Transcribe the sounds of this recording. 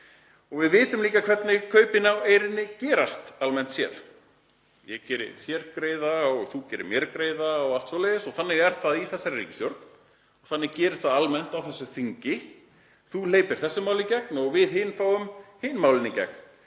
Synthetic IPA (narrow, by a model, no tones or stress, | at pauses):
ɔɣvɪðvɪːt̪ʏmliːkakʰv̥ɛt̪nɪkʰœːɥpɪnaweːjɾɪnːɪcɛːɾast̪almɛn̥t̪sjɛ̰ð | jɛɣcɛːɾɪ̰θjɛɾkɾeːjðaɔɣθucɛːɾɪ̰mjɛɾkɾeːjðaːwalt̪svowleðɪsɔɣθanːɪɣɛɾ̥θaðiθɛsːaɾrḭːcɪ̥sjœɾt̪n̥ | ɔɣθanːɪɣcɛːɾɪst̪θaðalmɛn̥t̪awθɛsːʏθiɲcɪ | θuleːjpɪɾ̥θɛsːʏmaːwlɪcɛk̚nɔɣvɪðɦɪnfaːwʏmhɪnːmawlɪnɪcɛ̰k̚n̥